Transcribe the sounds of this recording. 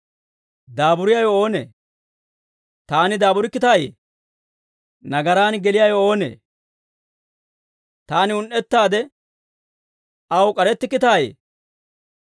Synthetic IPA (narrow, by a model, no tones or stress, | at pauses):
d̪aːbʊɾɪjɐjo̞ːnḛː | t̪aːnɪd̪aːbʊɾɪkːɪt̪aːjḛː | nɐɡɐɾaːnɡɛlɪjajo̞ːnḛː | t̪aːnɪʊnʔɛt̪ːaːd̪ɛ | ɐwkʼɐɾɛt̪ːɪkːɪt̪aːjḛː